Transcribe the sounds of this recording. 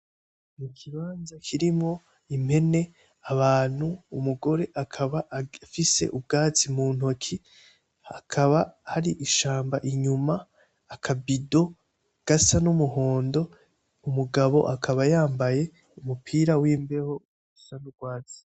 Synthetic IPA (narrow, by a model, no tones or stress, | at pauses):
nikʰiβaːnzakʰiɾimŋo̞ | im̥he̞ne̞ | aβaːn̥huːmuɡo̞ɾe̞ʔakʰaβafise̞̰ʔub̚ɡaːt͡simuːn̥o̞kʰi | akʰaβahaɾiʔiʃaːmbaʔiɲumaː | kʰabido̞ | ɡ̥asanumuɦo̞ːndo̞ | umuɡaβo̞̰ʔakʰaβajaːmbaje̞ | umupʰiːɾawiːmbe̞ho̞ɡusanub̚ɡwaːt͡si̥